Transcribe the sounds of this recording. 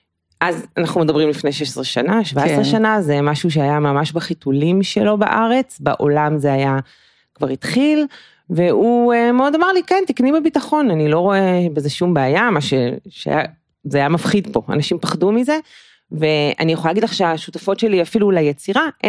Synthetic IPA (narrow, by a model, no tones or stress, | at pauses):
ʔazanaχnumed̪ɐbʁimlifne̞jʃeʃsʁeʃanaʃvaesʁeʃanazemaʃuʃ̬eajamamaʃbaχitulimʃe̞lo̞ba̰ʔaʁe̞t͡sba̰ʔo̞lamzeaja | kvaʁit̪χil | ve̞uemeodamaʁlikent̪iknibebitaχo̞nanilo̞ʁo̞ebezeʃumbeːjamaʃeʃḛa̰ja | zeajamafχidpo̞a̰naʃimpaχdumize̞ | ve̞a̰nijeχoalaɡidlaχʃeaʃutafo̞tʃe̞liafilulajet͡siʁaʔ